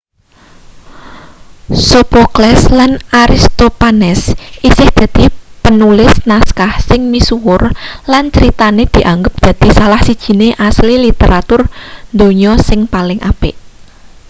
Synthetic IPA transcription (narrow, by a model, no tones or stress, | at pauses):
sopoklɛslanaɾist̪opanɛsʔisɪhd̪̥a̤d̪̥i̤pənulɪsnaskahsɪŋmisuwʊrlant͡ʃəɾit̪aned̪̥i̤ʔaŋɡəp̚d̪̥ä̤d̪̥i̤salahsid̥ʒ̥i̤neʔaslilit̪eɾat̪ʊrnd̪oɲɔsɪŋpalɪŋʔa̰pɪʔ